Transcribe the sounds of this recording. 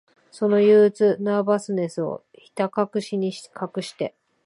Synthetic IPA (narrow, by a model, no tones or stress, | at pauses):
so̞no̞jɯːt͡sɨnabasɨne̞sɨo̞̰ | çi̥t̪akakɯ̟ɕiɲ̟ikʰakɯ̟ɕi̥t̪e̞